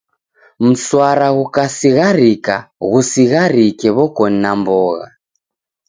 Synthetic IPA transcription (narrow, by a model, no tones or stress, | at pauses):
m̩swaɾaɣukasiɣaɾikaɣusiɣaɾikɛβɔkɔninambɔɣa̰